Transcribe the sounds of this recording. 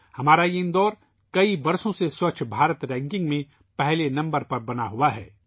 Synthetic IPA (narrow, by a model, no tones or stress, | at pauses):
hɐmaːɾaiɪ̃nd̪ɔːɾ | kɐibɐɾsõseswɐt͡ʃʰbʱaːɾət̪ɾɛ̃ːŋkɪ̃ŋɡmẽ | pɛɦlenɐ̃mbəɾpɐɾbɐnaɦuaɦɛ̰ː